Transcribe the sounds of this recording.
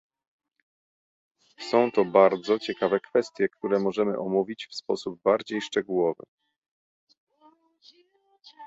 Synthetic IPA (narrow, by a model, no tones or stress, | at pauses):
sɔ̃w̃t̪ɔbaɾd̪zɔt͡ɕɛkavɛkfɛst̪ʲjɛkt̪uɾɛmɔʐɛmɘ̰ʔɔmuvʲit͡ɕfspɔsub̚baɾd͡ʑejʂt͡ʂɛɡuwɔvɘ̰